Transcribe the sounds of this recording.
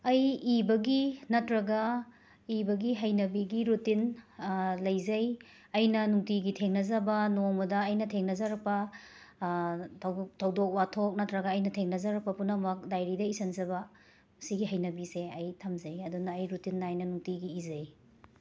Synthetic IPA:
ɐjibɐɡinɐtɾɐɡɐ | ibɐɡiɦɐjnɐbiɡiɾutin | lɐjzɐj | ɐjnɐnuŋtiɡitʰeŋnɐzɐbɐnoŋmɐdɐːjnɐtʰeŋnɐzɐɾɐk̚pɐ | tʰtʰɐwdok̚watʰok̚nɐtɾɐɡɐːjnɐtʰeŋnɐzɐɾɐk̚pɐpunɐmɐk̚dajɾidɐisɐnzɐbɐ | siɡiɦɐjnɐbiseɐjtʰɐmzɐjɐdunɐːjɾutinːaːjnɐnuŋtiɡiːzɐj

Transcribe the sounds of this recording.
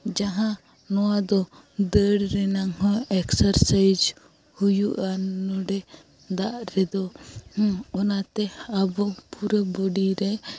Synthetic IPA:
d͡ʒaɦã | nɔad̪ɔd̪əɽɾɛnaŋɦɔ̃ɛksaɾsajd͡ʒ | hujuʔanɔɖɛ | d̪aʔɾɛd̪ɔ̃ | ɔnat̪ɛabɔpuɾəbɔɖiɾɛ

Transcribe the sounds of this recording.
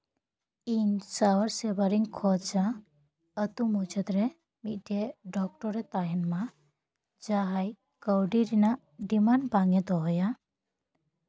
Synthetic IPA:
insawəɾsebaɾiŋkʰɔd̪d͡ʒa | ət̪umud͡ʒʰəd̪ɾe | miʔʈʰeɖɔkʈɔɾet̪ajənmã | d͡ʒaɦaj | kəwɖiɾina | ɖimanbaŋed̪ɔɦɔja

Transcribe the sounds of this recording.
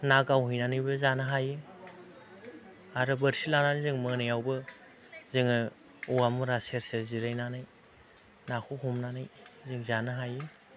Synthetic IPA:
naɡawɦijnanɯjbɯzanɯɦajɯ | aɾɯbɯɾsilananɯjzɯŋmɯnajawbɯ | zɯŋɯ | uwamuɾaseɾseɾziɾajnanɯj | nakʰuhumnanɯjzɯŋzanɯɦajɯ

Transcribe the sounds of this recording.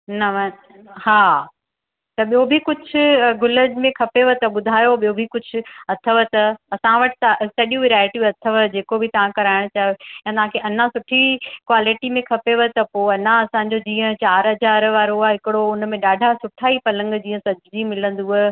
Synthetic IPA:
nɐʋ | haː | t̪ɐɓijobʱɪkʊd͡ʑʱʰʊ̆ɡʊləd͡ʑmẽkʰɐpeʋət̪ɐɓʊd̪ʱaːjoɓijobʱikʊd͡ʑʱʊ̆ɐt̪ʰəʋət̪ɐɐsãʋɐʈɪ̥t̪ɐsɐɗjũɪɾaːɪʈijũɐt̪ʰəʋəd͡ʑeːkobʱɪt̪ɐʋ̤ãkɐɾaːɪɽ̃ʊt͡ɕaːejãt̪ɐʋ̤ãkʰeːʔɐnãsʊʈʰikʋaːlɪʈimẽkʰɐpeʋət̪ɐpoːɐnãɐsãɲd͡ʑod͡ʑĩːə̃t͡ɕaːɾɦɐzaːɾʋaːɾoaɦɪkɪɽoʊnmẽɗaːɖʱasʊʈʰaːipɐlə̃ŋɡd͡ʑĩːə̃sɐd͡ʑʱd͡ʑimɪlə̃nd̪uɦ

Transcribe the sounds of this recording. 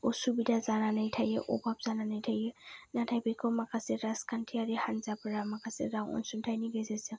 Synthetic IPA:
ɔsubidazananajtʰajɛʔɔ̰bap̚z̥ananajtʰajɛnatʰajbikɔmakasiɾaskʰantʰiaɹihanzapɔɹamakasḭɡaŋɔ̰nsuntʰajniɡɛzasɛ

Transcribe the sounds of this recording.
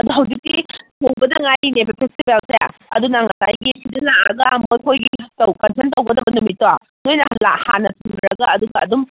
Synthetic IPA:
ɐduɦɐwd͡ʒik̚titowbɐdɐŋajnebɐpʰestibelsḛɐdunaŋɐtajɡisidɐnaɐɡɐmojkʰojɡitɐwkɐnsʰentɐwɡɐdɐbɐnumitːa | nojnɐlaha̰nɐtʰuŋdɾɐɡɐːduɡɐːdum

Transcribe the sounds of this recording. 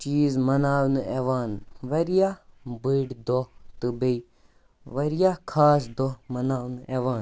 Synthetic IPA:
t͡ʃiːzmɐnaːwneʋaːnʋɐɾijabɨɽd̪ɔt̪ɨbei | ʋɐɾjakʰaːsd̪ɔmɐnaːwneʋaːn

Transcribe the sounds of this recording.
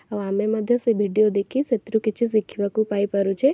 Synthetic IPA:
əʋameməd̪ʱjəsebʱiɖijod̪ekʰiset̪ɾũkɪt͡ʃʰisikʰiʋakũpaipəɾũt͡ʃʰe

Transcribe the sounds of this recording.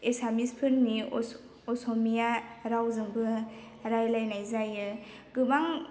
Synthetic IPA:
esamispʰɯnːi | osomijaɾawzɯŋbɯ | ɾajlajnajzajɯ | ɡɯbaŋ

